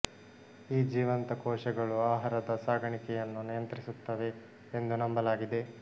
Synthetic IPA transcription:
iːd͡ʒiːʋɐnt̪ɐkɔːʃɐɡɐɭuaːɦaɾɐd̪ɐsaːɡʱɐɳikɛjɐnːunijɐnt̪ɾisut̪ːɐʋe̞ | end̪unɐmbɐlaːɡid̪e̞

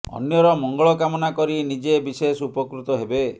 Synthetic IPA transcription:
ɔ̰njɔɾɔmɔŋɡɔɭɔkamɔnakɔɾinid͡ʒebisesupɔkɾut̪ɔɦebe

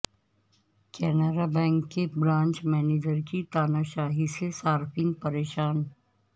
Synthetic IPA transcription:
kɛːnəɾabɛ̃ːŋkːebɾãːnt͡ʃmɛːneːd͡ʒəɾkit̪aːnaːʃaːɦisesaːɾfĩːnpəɾeːʃaːn

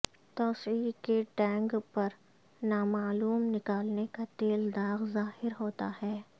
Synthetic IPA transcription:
t̪ɔːsiːkeʈɛ̃ːŋɡpɐɾ | naːmaːluːmnɪkaːlnekat̪eːld̪aːɣzaːhɪɾɦoːt̪ahɛː

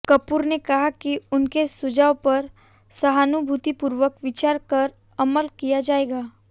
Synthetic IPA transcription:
kɐpuːɾnekɐɦakiʊnkesʊd͡ʒaːwpɐɾ | sɐɦaːnubʱut̪ipuɾʋəkʋɪt͡ʃaːɾkɐɾ | ɐməlkijad͡ʒaːeːɡaː

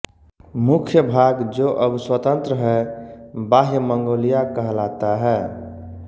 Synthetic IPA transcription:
mukʰjəbʱaɡd͡ʒoʔəbswət̪ə̃nt̪ɾəɦɛ | baɦjəməŋɡoːlijakəɦlat̪aɦɛ

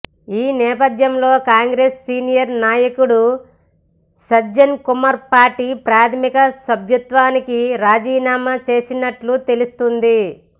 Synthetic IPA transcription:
iːnɛːpɐd̪jɐmlo̞ːkaːŋɡɾeːsːiːnijɐɾnaːjɐkuɽu | sɐd͡ʒɐnkumɐɾpaːɾʈiːpɾaːt̪ʰɐmikɐsɐbʱjut̪ʋaːnikiɾaːd͡ʒiːnaːmɐt͡ʃe̞ːsinɐʈlut̪e̞lust̪und̪i

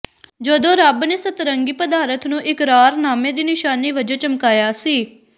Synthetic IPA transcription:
d͡ʒəd̪õːɾəbneːsət̪ɾəŋɡiːpəd̪aːɾət̪ʰnũːʔɪkɾaːɾnaːmẽːd̪iːnɪʃaːniːʋəd͡ʒõːt͡ʃəmkaːjaːsiː

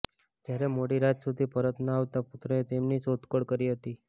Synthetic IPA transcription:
d͡ʒjaɾemoɽiɾat̪sud̪ʱipəɾət̪naaʋt̪aput̪ɾəet̪emniːsot̪koɽkəɾiːɦət̪iː

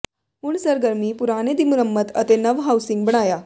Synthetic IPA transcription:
uːɳsəɾɡəɾmiːpuɾaned̪imuɾəmːət̪ə̰t̪enəʋɦawsiŋɡ̚bəɳaja

